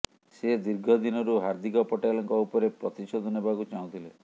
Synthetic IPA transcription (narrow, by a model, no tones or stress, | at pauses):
sed̪iɾɡʱɔd̪inɔɾuɦaɾd̪ʱikɔpɔʈalɔŋkɔupɔɾepɾɔt̪isod̪ʱɔnebakut͡ʃaũt̪ʰile